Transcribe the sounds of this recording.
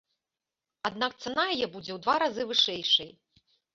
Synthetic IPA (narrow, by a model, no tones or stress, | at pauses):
ad̪̚nakt̪sanajajɛbud͡zʲɛwd̪vaɾazɨvɨʂɛjʂɐj